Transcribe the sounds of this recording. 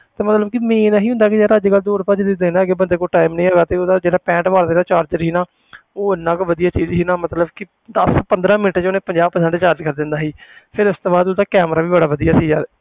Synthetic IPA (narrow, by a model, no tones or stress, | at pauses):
t̪eːmət̪ləbkɪmeːnaːɦiːʊ̃nd̪aːkid͡ʒeːɾaəd͡ʒeːɡəld̪oːɾpaːd͡ʒed̪ɪd̪eːnaːɡeːbənd̪eːkoːʈaːɪmnə̃ĩːɦaːɡaːt̪eːoːd̪aːd͡ʒeːɽaːpɛ̃ːɳʈʋaːɾd̪eːnaːt͡ʃaːɾd͡ʒəɾɦiːnaː | oːɪnːãːkʋəd̪ijaːt͡ʃiːd͡ʒɦiːnãːmət̪ləbkɪ | d̪əspənd̪ɾãːmɪnəʈːt͡ʃoːnẽːpəɲd͡ʒaːb̚pəsɛ̃ɳɖt͡ʃaːɾd͡ʒkəɾd̪ɪnd̪aːɦiːpʰɪɾʊst̪oːbaːd̪od̪aːkɛːmɾaːʋiːbəɽaːʋəd̪ijaːsiːd͡ʒaː